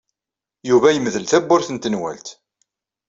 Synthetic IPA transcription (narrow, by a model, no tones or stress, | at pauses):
juvæjəməðəlθæbːʊɾθənt̪ənwæ̰lt̪